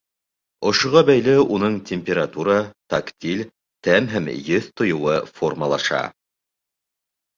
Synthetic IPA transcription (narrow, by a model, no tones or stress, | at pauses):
ŏʃŏʁɑbæjlɘunɤɴt̪ʲemʲpʲeɾat̪uɾɑt̪akt̪ʲilʲ | t̪æmɦæmjɘθt̪ŏjŏwɤformɑlˠɑʃɑ̰